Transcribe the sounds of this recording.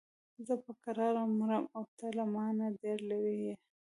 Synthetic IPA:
zəpəkaɾɑɾamuɾamawt̪alamɑnad̪eɾlaɾije

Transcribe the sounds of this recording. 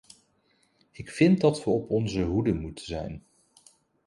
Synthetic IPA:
ɪkfɪnt̚dɑtʋəɔpɔnzəɦudəmutəzɛ̰jn

